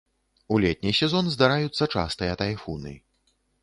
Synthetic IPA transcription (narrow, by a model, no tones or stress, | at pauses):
ulʲɛt̪̚ʲnʲisʲɛzɔnzd̪aɾajut̪sːɐt͡ʂa̰st̪ɨjɐt̪ajfunɨ̰